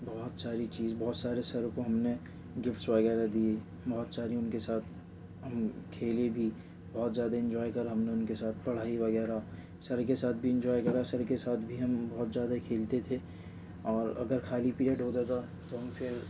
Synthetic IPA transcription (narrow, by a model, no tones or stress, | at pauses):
bɔɦʊt̪saːɾit͡ʃiːzbɔːt̪saːɾesɐɾkoɦɐmne | ɡɪfʈsʋɐɣɛːɾad̪ie | bɔːt̪saːɾiʊnkesaːt̪ʰ | ɦɐmkʰeːlebʱi | bɔːt̪zjaːd̪aɪ̃ɲd͡ʒɔːjkɐɾɦɐmneʊnkesaːt̪ʰpɐɽ̤aːiʋɐɡɛːɾa | sɐɾkesaːt̪̚ʰbʱiɪ̃ɲd͡ʒɔːjkɐɾasɐɾkesaːt̪ʰbʱiɦɐmbɔːt̪zjaːd̪akʰeːlt̪et̪ʰe | ɔːɾɐ̰ɡəɾkʰaːlipiaɖʱoːd̪ad̪a | t̪oɦɐmfɪɾ